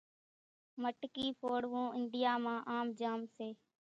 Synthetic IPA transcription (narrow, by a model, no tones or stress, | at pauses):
məʈkiːpʰoːɽʋũːɪɳɖɪjaːmãːʔaːmd͡ʒaːmseː